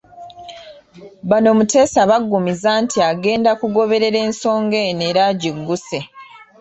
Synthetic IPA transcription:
βano̞ːmute̞ːsaβaɡːumizantʰiaɡe̞ːndakuɡo̞βe̞ɾe̞ɾe̞ːnso̞ːŋɡe̞ne̞ːɾaɟiɡːuse̞

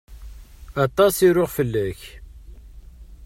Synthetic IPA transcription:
ɑt̪ˤːɑsiɾoʁfəlːæç

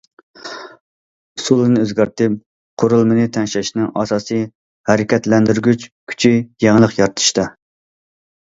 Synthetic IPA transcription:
sulˠɨnɨøzɡʲɑɾt̪ɪp̚ | qʰoɾulˠmɪnɨt̪ʰɛnʃɛʃnɪŋʔɑsɑːsɨ | hæɾɪkʲɛt̪lɛnd̪yɾɡʲyt͡ʃkʲʰy̥t͡ʃʰijeŋlˠəqjɑɾt̪ʰɨ̥ʃt̪ɑ

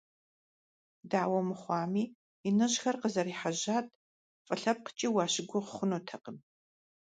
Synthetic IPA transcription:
daːwɐmɨχʷɑːmiː | inɨʑxɐrqəzɐɾiːħaʑaːtʰʼ | fʼɨɬɐp̚qə̥t͡ʃʼiːwɑːɕɪɡʷʊqəχʷʊnoːtʰɐqən

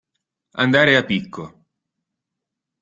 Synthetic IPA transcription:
a̰nd̪aːɾeapːikʰːo

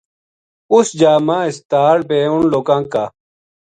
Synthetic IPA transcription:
usd͡ʑaːmãːist̪aːɽbeːunloːkãːka

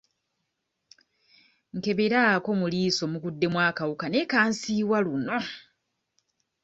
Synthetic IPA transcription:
ŋke̞βe̞ɾaːko̞muliːso̞mukudːe̞mwaːkawukane̞kaːnsiːβwaluno̞

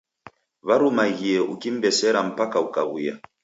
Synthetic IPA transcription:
βaɾumaɣiɛʔukim̩bɛsɛɾam̩pakaukaɣija

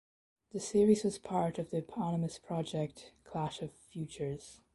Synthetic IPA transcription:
ðɨsɪɹizwʌz̥pʰɑɹɾʌvðiɨpʰɑnəmɨspʰɹ̥ɑd͡ʒɛk̚tkʰl̥æʃʌv̥fjʉt͡ʃə˞z̥

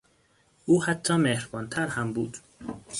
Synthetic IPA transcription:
ʔuːhæt̪ʰːɒːmehɾbɒːnt̪ʰæɾhæmbuːd̪̥

